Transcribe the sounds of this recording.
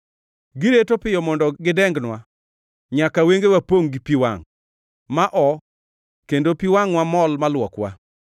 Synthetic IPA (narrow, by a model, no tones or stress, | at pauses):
ɡɪɾetopɪjɔmɔndɔɡɪdɛŋɡnwa | ɲakaweŋɡewapoŋɡipiwa̰ŋ | maʔɔ | kendopiwaŋwamɔlmalwɔkwa̰